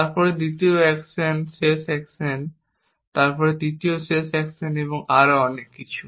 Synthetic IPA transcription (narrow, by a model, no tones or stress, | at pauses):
t̪aɾpɔɾed̪it̪ioɛksensesɛksen | t̪aɾpɔɾed̪it̪iosesɛkseneboŋaɾoɔnekːit͡ɕʰu̥